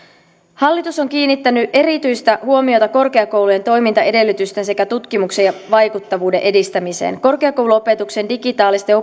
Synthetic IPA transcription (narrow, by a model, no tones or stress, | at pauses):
hɑlːit̪uso̞ŋk̟iːnːit̪ːænyʔe̞ɾit̪yjst̪æhuo̞mio̞t̪ɑko̞rke̞ɑko̞wluje̞nt̪o̞jmint̪ɑe̞de̞lːyt̪yst̪e̞ns̬e̞kæt̪ut̪k̟imukse̞jɑʋɑjkut̪ːɑʋuːde̞̰ʔe̞dist̪æmise̞̰ːnko̞rke̞ɑko̞wluope̞t̪ukse̞ndiɡit̪ɑːlist̪eo